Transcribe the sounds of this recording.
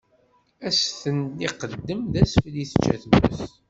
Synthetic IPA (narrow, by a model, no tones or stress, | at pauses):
æsθənd̪iqəd̪ːəmðæsfliθə̥t͡ʃːæ̰θmə̰s